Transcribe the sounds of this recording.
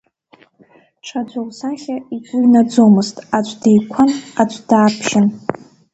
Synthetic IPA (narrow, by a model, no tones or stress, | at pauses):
ʈ͡ʂʰad͡ʒʷawsaχʲait͡sʷʼʊɥnad͡zomɨztʼat͡ɕʷʰʼdejkʷʰanat͡ɕʷʼd̥aːpʰʃɪn